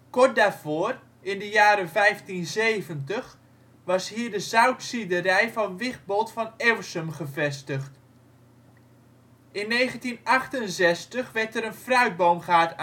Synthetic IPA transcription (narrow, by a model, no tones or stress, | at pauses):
kɔrt̚daːɹv̥ʊːr | ɪndəjaːɾəvɛjftinzejvəntəχ | ʋɑsɦiːɹdəzœwtsidərɛjvɑnʋɪχ̚bɔlˠtfɑnɛwsəmχəvɛstəχt | ɪnːejχəntinɑχtənzɛstəχʋɛɹtəɾənfrœɥd̚bowmχaːt